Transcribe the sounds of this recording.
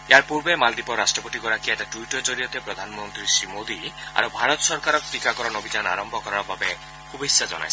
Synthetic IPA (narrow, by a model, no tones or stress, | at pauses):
eaɾpuɾbemald̪ipɔɾasʈɾɔpɔt̪ikɔɾakieʈaʈuiʈɔɾd͡ʒɔɾiɔt̪epɾɔd̪ʱanɔmɔnt̪ɾisɾimod̪ia̰ɾubʱaɾɔt̪ɔsɔɾkaɾɔk̚t̪ikakɔɾɔnɔbʱid͡ʒana̰ɾɔmbʱɔkɔɾaɾɔbabe | hubesad͡ʒɔ̰na̰jʰ